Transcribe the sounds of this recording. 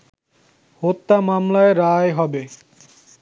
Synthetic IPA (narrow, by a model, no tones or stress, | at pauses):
hot̪ːamamlaeɾaeɦɔbe